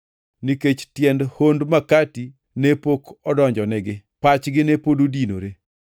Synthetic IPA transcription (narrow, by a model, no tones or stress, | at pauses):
niket͡ʃtjɛndhondmakati | nepokɔdɔɲd͡ʒɔnɛɡɪpat͡ʃɡɪnepododino̰ɾe